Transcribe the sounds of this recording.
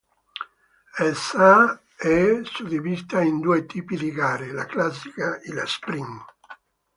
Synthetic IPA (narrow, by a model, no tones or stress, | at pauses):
ɛsa | ɛsud̪ivist̪aind̪uet̪iːpid̪iɡaːɾelaklasikaila̰spɾiŋ